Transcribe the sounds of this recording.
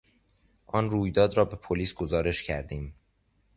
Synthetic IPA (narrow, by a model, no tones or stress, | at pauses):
ʔɒːnruːjd̪ɒːd̪ɾɒːbe̞pʰoliːsɡozɒːɾe̞ʃcʰæɾd̪iːm